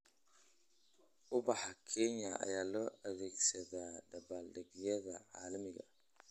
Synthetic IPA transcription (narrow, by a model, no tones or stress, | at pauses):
ʔʊbɑħɑkʰɛnɐɐ̰jaːlɔːʔɐðɛːɡsɐðaːɖɐbaːlɖɐɣjɐðɐʕɑːlɐmɪɣɐ̰